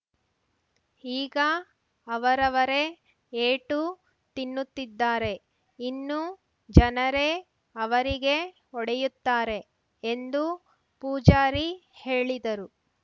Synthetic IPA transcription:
iːɡɐː | ʋɐɾɐʋɐɾe̞ | eːʈu | t̪inːut̪ːid̪ːaːɾe̞ | inːu | d͡ʒɐnɐɾe̞ | ɐʋɐɾiɡe̞ | ɔɽɛjut̪ːaːɾe̞ | end̪u | puːd͡ʒaːɾihe̞ːɭid̪ɐɾu

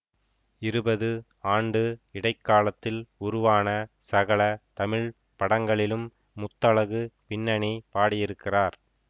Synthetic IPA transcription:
ɪɾɯbɐðɯ | aːɳɖɯɪɽɐɪkːaːlɐt̪ːɪlʊɾʊʋaːnɐsɐɣɐɭɐt̪ɐmɪɻ | pɐɽɐŋɡɐɭɪlɯmː | ʊt̪ːɐɭɐɣɯpɪnːɐɳipaːɽɪjɪɾɯkːɪraːɾ

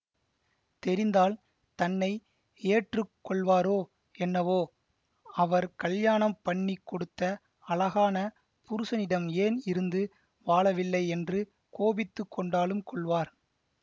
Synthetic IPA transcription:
t̪ɛɾɪnd̪aːl | t̪ɐnːɐɪ | eːʈrɯkːɔɭʋaːɾoː | ɛnːɐʋoː | ɐʋɐɾkɐljaːɳɐmpɐɳːikːɔɽɯt̪ːɐ | ɐlɐɣaːnɐ | pʊɾɯsɐnɪɽɐmeːnɪɾɯnd̪ɯ | ʋaːɭɐʋɪlːɐɪɛndrɯ | koːbɪt̪ːɯkːɔɳɖaːlɯmkʰɔɭʋaːɾ

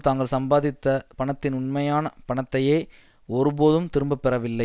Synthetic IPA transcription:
t̪aːŋɡɐɭsɐmbaːðɪt̪ːɐpɐɳɐt̪ːɪnʊɳmɐjaːnɐpɐɳɐt̪ːɐjeː | ɔɾɯpoːðɯmt̪ɪɾɯmbɐpːɛɾɐʋɪlːɐɪ

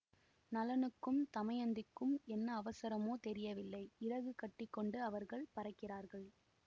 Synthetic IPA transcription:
nɐlɐnɯkːɯmt̪ɐmɐjɐnd̪ɪkːɯmɛnːɐːʋɐsɐɾɐmoːt̪ɛɾɪjɐʋɪlːɐɪɪɾɐɣɯkɐʈːɪkːɔɳɖɯɐʋɐɾɣɐɭpɐɾɐkːɪraːɾɣɐɭ

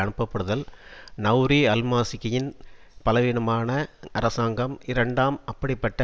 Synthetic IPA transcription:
ɐɳɯpːɐpːɐɽɯðɐlnɐʋɾiɐlmaːsɪkːɐjɪnpɐlɐʋiːnɐmaːnɐɐɾɐsaːŋɡɐmɪɾɐɳɖaːmɐpːɐɽɪpːɐʈːɐ

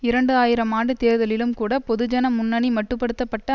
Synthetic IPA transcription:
ɪɾɐɳɖɯaːjɪɾɐmaːɳɖɯt̪eːɾðɐlɪlɯmkuːɽɐpɔðɯd͡ʒɐnɐmʊnːɐnimɐʈːɯpːɐɽɯt̪ːɐpːɐʈːɐ

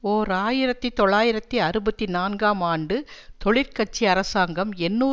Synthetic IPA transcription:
oːɾaːjɪɾɐt̪ːit̪ɔɭːaːjɪɾɐt̪ːiɐɾɯbɐt̪ːinaːnɡaːmaːɳɖɯt̪ɔɭɪɾkɐʈ̚t͡ʃːiɐɾɐsaːŋɡɐmɛnːuː

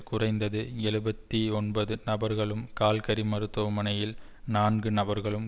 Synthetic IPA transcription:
kʊrɐɪnd̪ɐðɯɛɻɯbɐt̪ːiɔnbɐðɯnɐbɐɾɣɐɭɯmkaːlkɐɾimɐɾɯt̪ːoːmɐnɐjɪl | naːnɡɯnɐbɐɾɣɐɭɯm

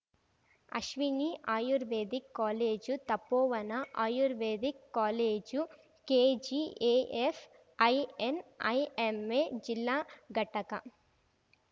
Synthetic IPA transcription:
ɐ̰ʃʋiniːʔaːjuɾʋeːd̪ikːaːleːd͡ʒut̪ɐpːɔːʋɐnɐʔaːjuɾʋeːd̪ikːaːleːd͡ʒu | keːd͡ʒiːeːʔef | ɐjenɐjemeːd͡ʒilːaːɡʱɐʈɐkɐ

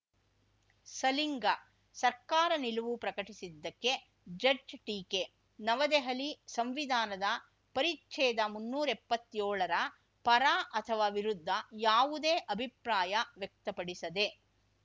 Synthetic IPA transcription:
sɐliŋɡɐ | sɐɾkaːɾɐniluʋupɾɐkɐʈisid̪ːɐkːe̞ | d͡ʒɐd͡ʒʈiːke | nɐʋɐd̪eɦɐlisɐmʋid̪ʱaːnɐd̪ɐ | pɐɾitːt͡ʃɛːd̪ɐmunːuːɾɐepːɐt̪ːjoːɭɐɾɐ | pɐɾaːʔɐt̪ʰɐʋaːʋiɾud̪ʱːɐjaːʋud̪eːʔɐbʱipɾaːjɐʋjɐk̚t̪ɐpɐɽisɐd̪e̞

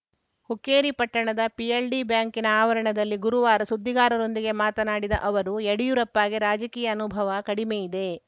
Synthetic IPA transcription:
hukːeːɾipɐʈːɐɳɐd̪ɐpiɐlɖibjaːŋkinɐaːʋɐɾɐɳɐd̪ɐlːiɡuɾuʋaːɾɐsud̪ʱːiɡaːɾɐɾo̞nd̪iɡe̞maːt̪ɐnaːɽid̪ɐ̰ʔɐʋɐɾueɽijuɾɐpːaːɡiɾaːd͡ʒɐkiːjɐːnubʱɐʋɐkɐɽimejid̪e̞

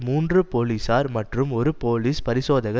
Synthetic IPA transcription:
muːndrɯpoːliːsaːɾmɐʈrɯmɔɾɯpoːliːspɐɾɪsoːðɐɣɐ

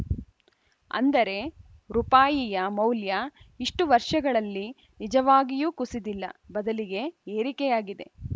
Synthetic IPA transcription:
ɐ̰nd̪ɐɾe̞ | ɾupaːjijɐmɐwljɐiʂʈuʋɐɾʂɐɡɐɭɐlːi | nid͡ʒɐʋaːɡijuːkusid̪ilːɐ̰bɐd̪ɐliɡe̞eːɾikɛjaːɡid̪e̞̰

